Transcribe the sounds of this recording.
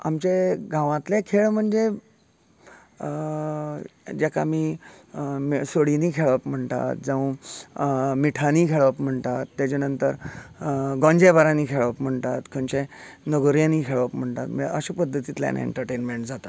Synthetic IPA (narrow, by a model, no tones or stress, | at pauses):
a̰mt͡ɕeɡʱãʋãt̪lekʰeɭm̤əɳd͡ze | d͡ʑɛkʰa̰miː | msoɽiniːkʰeɭʋəpm̤əɳt̪a̰t̪̚d͡zə̃ʋ̃ | miʈʰaniːkʰeɭʋəpm̤əɳt̪at̪ːat͡ɕanənt̪ə̰ɾ | ɡõɲd͡ʑebaɾãniːkʰeɭʋəpm̤əɳt̪at̪kʰəɲt͡ɕenəɡoɾjãniːkʰeɭʋəpm̤əɳt̪at̪miə̰ɕapəd̪ʱːət̪it̪lja̰nḛɳʈəɾʈenmeɳʈd͡zat̪a